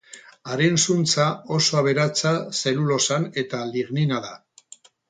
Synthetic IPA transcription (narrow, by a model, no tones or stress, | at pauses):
aɾensunt͡sao̞so̞aβe̞ɾat͡sase̞lulo̞sane̞t̪aliɣninaða